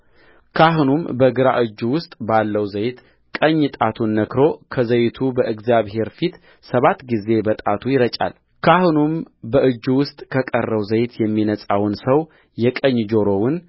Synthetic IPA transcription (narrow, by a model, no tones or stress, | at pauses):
kʰaɦunumbəɡɨɾa̰ʔɨd͡ʒːuwʊst̪ʼbalːəwzəjt̪ | kʼəɲːɨt̪ʼat̪ʰunːəkɾo̞kʰəzəjt̪ʰubəʔɨɡzjaβhe̞ɾfit̪ | səβat̪ːɡize̞bət̪ʼat̪ʰujɪɾət͡ʃʼa̰l | kʰahunumbəʔɨd͡ʒːwʊst̪ʼkʰəkʼərːəwzəjt̪ʰjɛmːinəsʼawnsəw | jɛkʼəɲːd͡ʒo̞ɾo̞wɨn